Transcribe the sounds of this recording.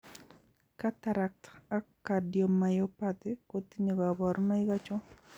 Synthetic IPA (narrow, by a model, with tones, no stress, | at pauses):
ka˦t̪a˨ɾa˨k̚ta˦kːa˨djo˨ma˨jo˦pat̪ɪ˦ko˦t̪i˦ɲo˨ɡa˨bɔ˨ɾna˦ɪ˦ɡa˦t͡ʃɔ˦